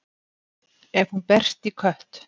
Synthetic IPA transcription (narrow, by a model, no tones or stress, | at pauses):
ɛɾhunpɛr̥t̪ikʰœht̪